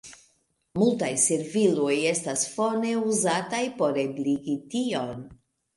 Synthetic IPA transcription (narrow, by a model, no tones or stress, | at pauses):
multajseɾviloje̞stasfo̞ne̞uzatajpo̞ɾebliɡitio̞n